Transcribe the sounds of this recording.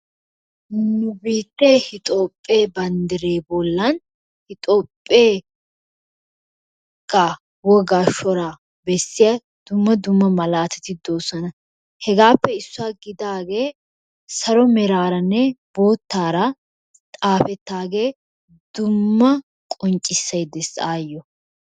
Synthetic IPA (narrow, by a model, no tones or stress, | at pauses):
nʊbiːt̪ːehɪt̪ʼoːpʼːe̞ːbɐnd̪ɪɾeːbɔlːɐn | hɪt̪ʼoːpʼːeː | kːa | wɔɡaːʃɔɾɐ | bɛsːɪjɐ | d̪̥ʊmːɐd̪ʊmːɐmɐlaːt̪ɛ̥t̪ɪd̪oːsɐnɐ | hɛɡaːpːɛɪsːʊaːɡɪd̪aːɡe̞ː | sɐɾɔmɛɾaːɾɐnːɛbo̞ːt̪ːaːɾɐ | t̪ʼaːfɛt̪ːaːɡe̞ː | d̪̥ʊmːɐ | kʼɔnt͡ʃʼːɪsːɐjd̪ɛsaːjːɔ